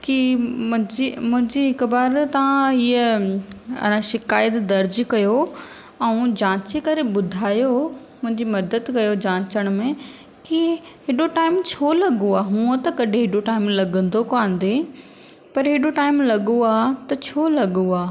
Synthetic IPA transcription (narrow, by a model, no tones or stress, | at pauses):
kimʊ̃ɦɪ̃d͡ʑimʊ̃ɦɪ̃ɲd͡ʑiɦɪkʊbaːɾt̪ɐʋãiːə | ɐ̰nãʃɪkaːjət̪d̪ɐɾd͡ʑkɐjo | ɛ̃ũd͡ʑãːt͡ɕikɐɾebʊd̪ʱaːjo | mʊ̃ɦɪ̃ɲd͡ʑimɐd̪əd̪kɐjod͡ʑãːt͡ɕəɽ̃mẽ | kiɦɪɗoʈaːɪmt͡ɕʰoːlɐɡoaːɦũːət̪ɐkɐɖʱẽɦɪɖoʈaːɪmlɐɡə̃nd̪ʱokãːn̆d̪e | pɐɾɦɪɗoʈaːɪmlɐɠuaːt̪ɐt͡ɕʰoːlɐɠuaː